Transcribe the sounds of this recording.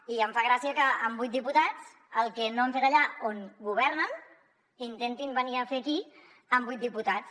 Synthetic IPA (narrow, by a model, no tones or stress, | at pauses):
iəɱfaɣɾasiəkəəmbujt̪̚d̪iput̪at͡s | əlˠkɛnoəɱfet̪aʎaonɡuβ̞ɛɾnən | int̪ent̪imbəniəfeki | əmbujt̪̚d̪iput̪at͡s